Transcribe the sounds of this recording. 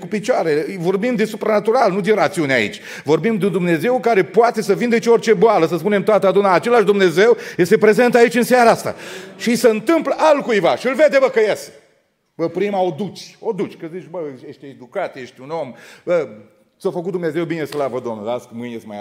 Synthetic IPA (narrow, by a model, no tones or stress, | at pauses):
kupit͡ʃoaɾevo̞rbimd̪esupɾanat̪uɾalnud̪iɾat̪siunea̰ḭt͡ʃʲ | vo̞rbimd̪eund̪umne̞ze̞wkaɾe̞poat̪e̞səvind̪et͡ʃio̞rt͡ʃe̞boaləsəspune̞mt̪oat̪əad̪unaːt͡ʃe̞laʃd̪umne̞ze̞wje̞st̪epɾe̞ze̞nt̪ait͡ʃʲɨnsjaɾaast̪a̰ʃisəɨnt̪ɨmpləʔalkujvaʃiɨlve̞d̪evəkəjese | bəpɾimaod̪ut̪t͡ʃ̪ʲod̪ut͡ʃʲkəzit͡ʃʲbəjeʃt̪ʲed̪ukat̪jeʃt̪ʲuno̞mə | sofəkut̪̚d̪umne̞ze̞wbine̞slavəd̪omnəaskmɨnjest̪maj